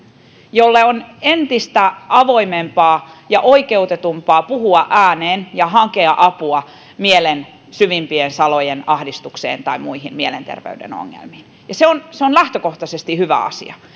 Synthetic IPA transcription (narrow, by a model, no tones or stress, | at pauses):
jolːeonent̪ist̪æɑʋoimempɑːjɑʔoikeut̪et̪umpɑːpuhuɑʔæːneːnjɑɦɑkeɑʔɑpuɑ | mielen | syʋimpiensɑlojenɑhdist̪uksḛːnt̪ɑimuihinmielent̪ḛrʋḛydḛno̰ŋːḛlmiːn | jɑseonseonlæht̪økoht̪ɑsest̪ihyʋæ̰ɑ̰sḭɑ̰